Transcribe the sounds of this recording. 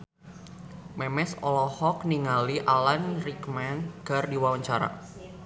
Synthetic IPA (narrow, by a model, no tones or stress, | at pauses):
mɛmɛsɔlɔhɔk̚niŋaliʔalanrikmɛnkardiwawaɲt͡ʃaɾa̰